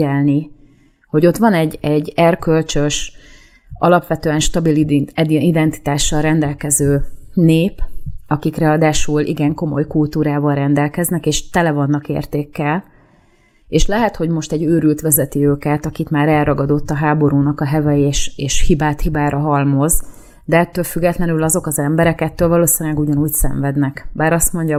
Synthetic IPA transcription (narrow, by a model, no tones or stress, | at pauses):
ɛlni | ho̞ɟo̞t̪ʋɒnɛɟːɛɟːɛrkølt͡ʃø̞ʃ | ʔɒlɒpʋɛt̪øːɛnʃt̪ɒbilid̪ɛnt̪i̥t̪aːʃːɒlrɛnd̪ɛlkɛzøːneːpɒkikrɛɒd̪aːʃuːlʔḭɡɛŋko̞mo̞jkult̪uːɾaːvɒlrɛnd̪ɛlkɛznɛkeːʃt̪ɛlɛvɒnːɒkḛːrt̪eːkːɛl | eːʃlɛɦɛt̪ho̞ɟmo̞ʃt̪ɛɟːøːɾylt̪ʋɛzɛt̪iøːkɛt̪ɒkit̪maːɾɛlrɒɡɒd̪o̞t̪ːɒɦaːbo̞ɾuːnɒkɒɦɛvɛjeːʃeːʃhibaːt̪hibaːɾʔɒɦɒlmo̞z | d̪ɛɛt̪ːøːlfyɡːɛt̪lɛnylɒzo̞kɒzɛmbɛɾɛkɛt̪ːøːlvɒloːsinylɛɡuɟɒnuːcsɛ̰ɱvɛd̪nɛkbaːɾɒst̪mo̞ɲɟɒ